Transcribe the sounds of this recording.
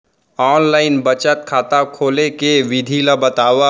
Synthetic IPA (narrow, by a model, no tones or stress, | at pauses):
ɔːnlaːɪnbɐt͡ʃət̪̚kʰaːt̪akʰoːlekeʋɪd̪ʱiːlabɐt̪aːʋa